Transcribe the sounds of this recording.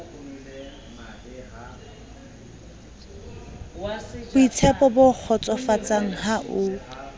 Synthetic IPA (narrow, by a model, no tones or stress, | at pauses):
b̥ʊit͡sʰɛpʼɔbʊk͡xʰɔt͡sʼɔfat͡sʼaŋ̩ɦaʔʊ